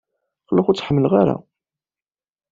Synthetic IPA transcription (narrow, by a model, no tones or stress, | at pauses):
qlaχʊt͡sːħəmːəlʁaɾa̰